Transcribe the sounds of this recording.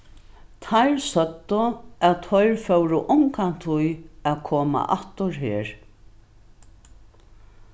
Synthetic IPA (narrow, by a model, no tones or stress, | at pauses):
t̪ʰajɹsœt̪ːʊæt̪ʰːɔjɹfœwɾʊʔʊŋkan̥t̪ʰʊjæðkʰoːma̰ʔaht̪ʊɾɦeːɹ